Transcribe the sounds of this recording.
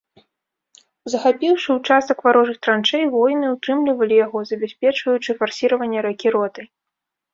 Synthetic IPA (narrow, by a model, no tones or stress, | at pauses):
zɐxapʲiwʂɨwt͡ʂast̪ɐkvaɾɔʐɨxt̪ɾant͡ʂɛjvɔjnɨut̪ɾɨmlʲivɐlʲijaɣɔzɐbʲasʲpʲɛt͡ʂvɐjut͡ʂɨfarsʲiɾɐvɐnʲːɛɾɐkʲiɾɔt̪ɐj